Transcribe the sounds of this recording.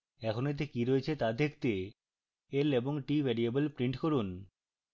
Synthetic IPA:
ɛkʰonet̪̬ekiɾoet͡ɕʰet̪ad̪ekʰt̪e | eleboŋʈibʱɛɾiebəlpɾiɳʈkoɾun

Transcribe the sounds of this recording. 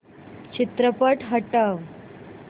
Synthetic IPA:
t͡ɕit̪ɾəpəʈɦəʈəʋ

